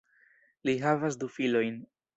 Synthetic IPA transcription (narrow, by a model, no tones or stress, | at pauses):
liɦavas̬d̪ufilo̞jn